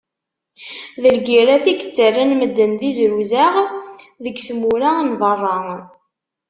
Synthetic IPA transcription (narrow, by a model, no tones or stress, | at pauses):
ðəlɡiɾæθiɡə̥t͡sːərːənməd̪ːənðizɾuzæʁðəɡθmuɾanðˤərˤːɑ